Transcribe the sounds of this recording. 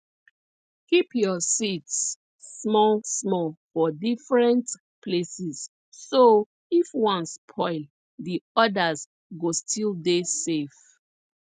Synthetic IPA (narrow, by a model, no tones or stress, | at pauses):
kipjɔsitsː | mɔlsmɔlfɔdifɹɛ̃nt | pʰlesisː | o | ifwʌ̃nspʰɔɪl | diɔdəz | ɡostʰildesef